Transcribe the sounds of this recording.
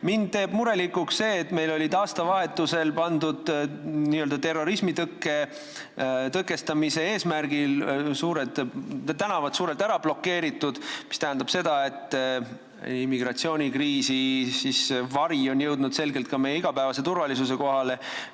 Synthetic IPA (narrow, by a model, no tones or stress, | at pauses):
mind̪̥t̪ːe̞ːb̥muɾe̞likːuksse̞ːt̪me̞jlo̞lʲid̪ɑːst̪ɑvɑɦe̞t̪ːˑuse̞lpɑnd̪ud̪̥niːø̞ld̪̥ɑt̪e̞rːo̞ɾismit̪ɤkːe̞ | t̪ɤkːˑe̞st̪ɑmise̞e̞ːsmæɾɡ̥ilsuːɾed̪t̪ænɑvɑt̪suːɾelt̪æɾɑb̥lo̞kːe̞ːɾit̪ːˑud̪̥mi̥st̪æɦænd̪ɑb̥se̞d̪ɑe̞t̪ːˑ | imːiɡ̥rɑt̪sio̞ːnʲikriːsisisvɑɾio̞njɤwd̪nud̪̥se̞lɡe̞lt̪̚kɑme̞jeiɡ̥ɑpæevɑse̞t̪urvɑlisus̬e̞ko̞ɦɑle̞